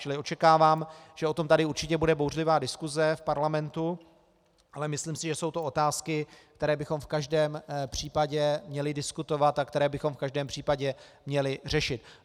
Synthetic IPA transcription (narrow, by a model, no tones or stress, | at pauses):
t͡ʃɪlɪo̞t͡ʃɛkaːvaːmʒ̥ɛo̞t̪o̞mt̪adɪuɾt͡ʃɪcɛbudɛbowrlɪvaːdɪskuzɛfpaɾlamɛnt̪u | ʔalɛmɪslimsɪʒɛsowt̪o̞o̞t̪aːskɪk̚t̪ɛɾɛːbɪxo̞mfkaʒdɛːmpr̝̥iːpaɟɛmɲɛlɪdɪskut̪o̞vat̪akt̪ɛɾɛːbɪxo̞mfkaʒdɛːmpr̝̥iːpaɟɛmɲɛlɪr̝ɛʃɪt̪